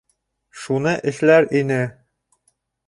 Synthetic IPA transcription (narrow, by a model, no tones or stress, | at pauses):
ʃunɤʔɘ̆ʃlæɾinɘ